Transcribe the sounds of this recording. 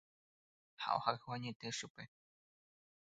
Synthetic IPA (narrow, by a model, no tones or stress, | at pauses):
ha̰ʔohahwaɲẽt̪eʃupe